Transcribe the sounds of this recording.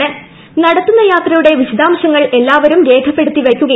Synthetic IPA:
ɨ | nɐɽɐt̪ːunːɐjaːt̪rɐjuɽe̞ʋiɕɐd̪aːmɐɕɐŋːɐɭe̞lːaːʋɐɾumɾe̞ːkʰɐpːe̞ɽut̪ːiʋɐkʲːuɣɐ

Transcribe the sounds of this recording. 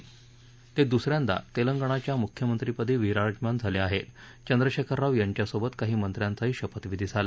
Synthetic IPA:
t̪ed̪usɾjand̪a̰t̪eləŋɡəɳ̃at͡ɕjamukʰjəmənt̪ɾipəd̪ʱiːʋiɾaɾd͡ʑmand͡zʱaleaɦet̪ | t͡ɕənd̪ɾəɕekʰəɾːaʋjaɲt͡ɕjasobət̪kaɦiːmənt̪ɾjant͡saɦiːɕəpət̪ʋid̪ʱid͡zʱala

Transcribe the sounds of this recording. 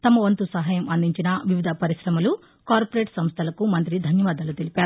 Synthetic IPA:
t̪ɐmɐʋɐnt̪usɐɦɐjɐmɐnd̪ʱiɲt͡ʃinɐʋiʋid̪ʱɐpɐɾiʃɾɐmɐlu | kaːɾpɐɾeːʈsɐmst̪ʰɐlɐkumɐnt̪ɾid̪ʱɐnjɐʋaːd̪ɐlut̪elipaːɾuu

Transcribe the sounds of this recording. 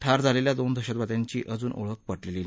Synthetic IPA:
ʈʰaɾd͡zʱaleljad̪ond̪ʱəɕat̪ʋat̪jaɲt͡ɕḭːʔəd͡zuːnʔo̰ɭək̚pəɽleli

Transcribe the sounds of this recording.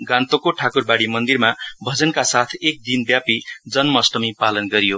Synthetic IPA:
ɡãnt̪okoʈʰakurbaɽimʌnd̪irmabʱʌd͡zʌnkasat̪ʰek̚d̪inbjapid͡zʌnmʌsʈʌmipalʌnɡʌɾijo

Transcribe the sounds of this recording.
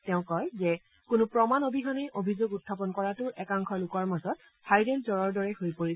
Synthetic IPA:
tɛʊ̃kɔjzɛ | kʊnʊpɹɔmanobʱiɦɔnɛʔobʱizoɡut̚ʰːap̬ɔnkɔɹatʊɹʔɛkaŋkʰɔlʊkɔɹmazɔt̚ | hajdɛlzɔɹɔɹdɔɹɛhojpoɹi

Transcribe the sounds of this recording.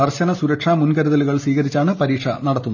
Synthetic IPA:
ɐrɕɐnɐsuɾɐkʂamunkɐɾuðɐluɣɐɭsiːɣɐɾit͡ɕːaːɳɨpɐɾiːʈʂɐnɐɽɐt̪ːunː

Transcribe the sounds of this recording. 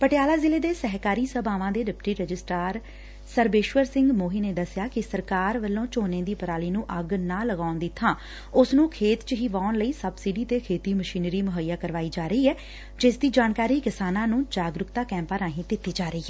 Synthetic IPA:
pəʈjaːlaːzɪleːd̪eːsɛɦkaːɾiːsəbaːʋãːd̪eːɖɪpʈiːɾəd͡ʒɪsʈaːɾ | səɾbeːʃʋəɾsɪ̃ŋɡmoːɦiːneːd̪əsɪjaːkɪsəɾkaːɾʋəlːõːt͡ʃoːnẽːd̪iːpəɾaːliːnũːʔəɡnãːləɡaːʊnd̪ɪt̪ʰːãː | ʊsnũːkʰeːt̪t͡ʃɦiːʋaːʊnləiːsəbsiːɖiːt̪eːkʰeːt̪iːməʃiːnɾiːmʊɦəjːaːkəɾʋaːiːd͡ʒaːɾəiːɛː | d͡ʒɪsd̪iːd͡ʒaːnkaːɾiːkɪsaːnãːnũːd͡ʒaːɡɾʊkt̪aːkɛ̃ːmpaːɾãːɦĩːd̪ɪt̪ːiːd͡ʒaːɾəiːɛː

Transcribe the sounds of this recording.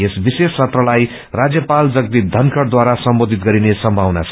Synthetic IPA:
esbisest͡sʰʌt̪rʌlaj | rad͡zjʌpald͡zʌk̚t̪id̪ʱʌnkʌɽd̪waɾasʌmbod̪ʱit̪̚ɡʌɾinesʌmbʱawnat͡sʰ

